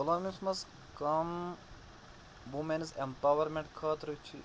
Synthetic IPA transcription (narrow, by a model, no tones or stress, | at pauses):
koloːmismɐs | kɐm | ʋumensempawɐɾmeɳʈkʰaːt̪ɾt͡ʃʰi